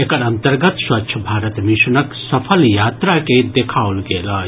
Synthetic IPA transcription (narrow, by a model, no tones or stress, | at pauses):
ekɐnɐnt̪əɾɡət̪swɐtːʃʰɐbʱaːɾət̪miʃunɐksɐpʰəljaːt̪ɾaked̪ekʰaːwlɡeːla